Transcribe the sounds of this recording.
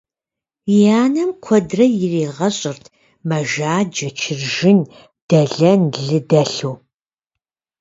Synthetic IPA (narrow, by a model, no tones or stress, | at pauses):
jaːnɐmkʷʰɔdrɐjɪreːʁɐɕʼɪrtʰ | mɐʒaːd͡ʒɐt͡ʃʰɪrʒɪn | d̥ɐɮɐnɮɨdɐɬuː